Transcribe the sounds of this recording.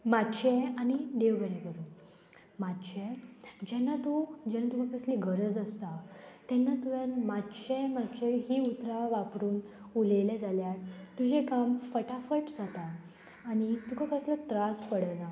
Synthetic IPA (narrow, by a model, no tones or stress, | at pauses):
matːɕʰɛaniɖeʋɡəɽɛ̃kəɾu | mat̪t͡ɕʰɛ̃d͡ʑɛnːat̪od͡ʑɛnːat̪ukãkəsliːɡʱəɾəd͡zəst̪at̪ɛnːat̪uʋjanmatːt͡ɕɛ̃mat̪t͡ɕɛɦiːut̪ɾaʋapɾuːn | ulelɛd͡zaljat̪ud͡ʑekamt͡sfəʈafəʈd͡zʱat̪aː | nit̪ukakəslət̪ɾaspəɽəna